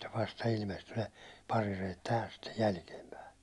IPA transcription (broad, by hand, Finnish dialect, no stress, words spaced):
ʋɑstɑ ilmesty ne pɑrirejet tæhæs stej jælkiempæi